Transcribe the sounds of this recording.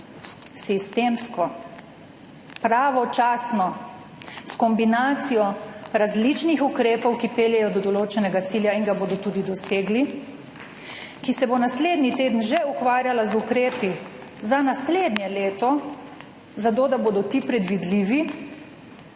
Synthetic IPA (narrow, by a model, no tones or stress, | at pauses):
sist̪eːmskɔ | pɾaːʋɔt͡ʃaːsnɔ | skɔmbinaːt̪sijɔɾazlit͡ʃnixukɾeːpɔwkipeːljɛjɔd̪ɔd̪ɔloːt͡ʃɛnɛɡat̪siːljainɡaboːd̪ɔt̪uːd̪id̪ɔseːɡli | kisɛbonasleːd̪nit̪eːd̪ənʒɛukʋaːɾjalazukɾeːpi | zanasled̪nʲjɛleːt̪ɔ | zat̪̬oːd̪aboːd̪ɔt̪iːpɾɛd̪ʋid̪liʋi